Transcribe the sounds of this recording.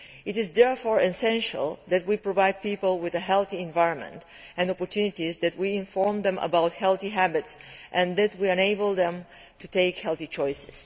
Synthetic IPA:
ɪtɪzðɛɹfɔɹɛsɛ̃nʃə̰lˠðæt̚wipɹɔvajd̪̚pipəl̩ˠwɪðəɦɛlˠθiɛ̃ɱvajɹɔ̃nmɛ̰̃nt | ɛ̃nɔpɔɹt̪ʰjunitizðæt̚wiɪ̃ɱfɔɹmðɛ̃mʔə̰bawthɛlˠθiɦæbɪtsʔɨ̃nðæt̚wiɛ̃neɪbəl̩ˠðɛ̃mtʰuteɪkhɛlˠθit͡ʃɔjsɪ̥s

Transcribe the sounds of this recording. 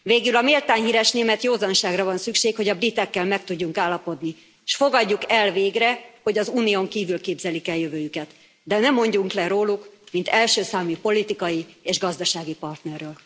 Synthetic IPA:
veːɡylɒmeːlt̪aːnɦiːɾɛʃneːmɛt̪joːzɒnʃaːɡrɒvɒnsykʃeːkho̞ɟɒbrit̪ɛkːɛlmɛk̚t̪uɟːuŋkaːlːɒpo̞d̪ni | ʃfo̞ɡɒɟːukɛlveːɡrɛho̞ɟɒzuːnioŋkiːvylkeːbzɛlikɛljøvøːjykɛt̪ | d̪ɛnɛmːo̞ɲɟuŋklɛɾoːlukmint̪ɛlʃøːsaːmipo̞lit̪ikɒjieːʒɡɒzd̪ɒʃaːɡipɒrt̪nɛrːøːl

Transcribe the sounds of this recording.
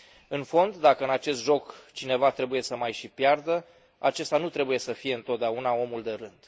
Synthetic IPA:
ɨnfo̞nd̪ːakəɨnat͡ʃe̞st̪ʒo̞kt͡ʃine̞vat̪ɾe̞buje̞səmajʃipjard̪ə | at͡ʃe̞st̪anut̪ɾe̞buje̞səfije̞ɨnt̪ot̪̚d̪eaunao̞muld̪e̞ɾɨnd̪̥

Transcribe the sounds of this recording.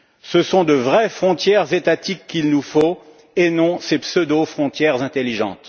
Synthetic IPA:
səsɔ̃d̪əvʁɛfχɔ̃t̪jɛʁzet̪at̪ikːilnufo | enɔ̃sepsød̪ofχɔ̃t̪jɛʁzɛ̃t̪elːiʒɑ̰̃t̪

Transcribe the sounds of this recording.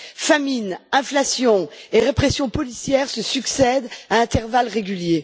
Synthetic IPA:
faminɛ̃flasjɔ̃eʁepχɛsjɔ̃pɔlisjɛʁsəsyksɛd̪aɛ̃t̪ɛʁvalʁeɡʲylje

